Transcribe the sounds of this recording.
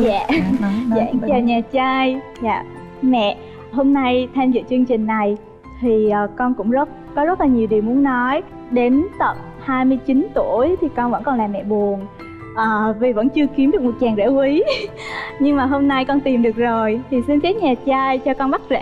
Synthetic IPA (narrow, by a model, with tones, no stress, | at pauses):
jaː˧˨za̰ː˧˨t͡ɕaː˨˩ɲaː˨˩t͡ɕaː˧j | ja̰ː˧˨ | mɛ̰˧˨ | ɦo˧mna˧jt̪ʰa˧mzɨ̰˧˨t͡ɕɨ˧əŋt͡ɕï˨˩ŋ̟na˨˩j | t̪ʰi˨˩ʔəː˨˩kɔ˧nkʊ̰˧˥ŋ͡mzə˦˥t̚kɔ˨˦zə˦˥t̚laː˨˩ɲi˨˩wɗi˨˩əwmu˨˦ənːɔ˨˦j | ɗe˨˦nt̪ə˨˩p̚ | haː˧jmɨ˧əjt͡ɕi˨˦nt̪u˧˩əjt̪ʰi˨˩kɔ˧nvə̰˧˥nkɔ˨˩nlaː˨˩mːɛ̰˧˨ɓu˨˩ən | ʔəː˨˩vi˨˩və̰˧˥nt͡ɕɨ˧əki˨˦mɗɨ˨˩k̚mo˨˩t̚t͡ɕaː˨˩ŋzɛ̰˧˥ki˨˦ | ɲɨ˧ŋmaː˨˩ɦo˧mna˧jkɔ˧nt̪i˨˩mɗɨ˨˩ək̚zo˨˩jt̪ʰi˨˩si˧nka˨˦ɲaː˨˩t͡ɕaː˧jt͡ɕɔ˧kɔ˧nɓa˦˥t̚zɛ̰˧˨